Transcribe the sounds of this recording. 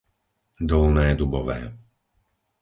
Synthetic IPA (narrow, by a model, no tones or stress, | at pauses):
d̪ɔlnɛːd̪ubɔʋɛ̰ː